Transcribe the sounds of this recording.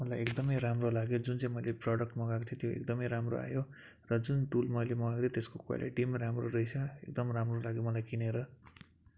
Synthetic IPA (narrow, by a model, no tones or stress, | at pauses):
mʌlajekd̪ʌmʌjramrolaɡjod͡zunt͡saĩmʌjleprʌɽʌk̚ʈmʌɡakotʰʌ̃t̪joḛk̚d̪ʌmʌjɾamro̰a̰jo | rʌd͡zunʈulmʌjlemʌɡaɡd̪et̪eskokua̰lḭʈimramroɾʌit͡sʰʌḛk̚d̪ʌmramrolaɡjomʌlajkineɾʌ